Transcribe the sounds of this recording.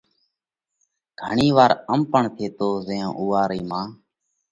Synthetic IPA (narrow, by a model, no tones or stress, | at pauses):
ɡ̥ʱəɳiːʋaːɾəmpəɳt̪ʰeːt̪oːzəːõ̰ːʔuːaːɾiːmãː